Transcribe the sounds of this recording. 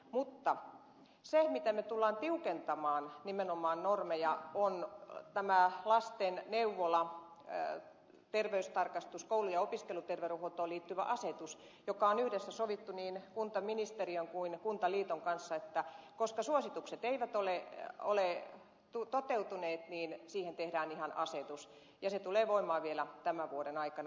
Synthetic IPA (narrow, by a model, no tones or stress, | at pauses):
mut̪ːɑ | semit̪æmet̪ulːɑːnt̪iukent̪ɑmɑːnnimenomɑːnnormejɑont̪æmælɑst̪enneuʋːolɑ | t̪erʋeyst̪ɑrkɑst̪uskoulujɑopiskelut̪erʋeruhot̪oːliːt̪ːyʋæ̰ʔɑset̪us | jokɑonyhdesːæsoʋit̪ːuniːnkunt̪ɑminist̪eriøŋkuinkunt̪ɑliːt̪oŋkɑnsːɑet̪ːækoskɑsuosit̪ukset̪eiʋæt̪oleole | t̪ut̪ot̪eut̪uneːt̪niːnsiːhent̪ehdæːnihɑnɑset̪us | jɑset̪uleːʋoimˑɑːʋielæt̪æmæʋuoɾenɑikɑn